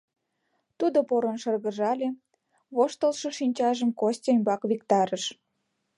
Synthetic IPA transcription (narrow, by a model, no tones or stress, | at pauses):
t̪ud̪opoɾonʃɤrɣəʒɑlʲe | βoʃt̪əlʃɤ̆ʃinʲt͡ɕɑʒəmkosʲtʲemʲbɑkβikt̪ɑɾəʃ